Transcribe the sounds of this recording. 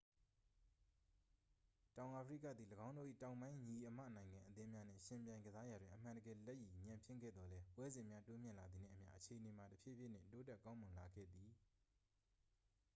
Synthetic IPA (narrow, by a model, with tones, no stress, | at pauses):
tã˨ʊ̃ʔa˨pʰəɹi˦˨k̬a̰˦˨d̪ði˨ləɡã˦ʊ̃no̰˦˨ʔḭ˦˨tã˨ʊ̃mbã˦ɪ̃ɲi˨ʔəmä̰˦˨nã˨ɪ̃ŋɡã˨ʔət̪ɪ̃˦mja˦n̥ɪ̰̃˦˨ʃɪ̃˨mpjã˨ɪ̃ŋɡəza˦ja˨dwɪ̃˨ʔə˨m̥ã˨ndəɡɛ˨lɛ˦ʔji˨ɲã˨mpʰɪ̰̃˦˨ɡɛ̰˦˨d̪ðɔ˨lɛ˦pwɛ˦zɪ̃˨mja˦to˦mjɪ̃˦˨la˨d̪ði˨n̥ɪ̰̃˦˨əmja̰˦˨ʔət͡ɕʰe˨ʔəne˨ma˨təpʰjḛ˦˨bjɪ˦˨n̥ɪ̰̃˦˨nto˦tɛ˦˨kã˦ʊ̃mʊ̃˨nla˨ɡɛ̰˦˨d̪i˨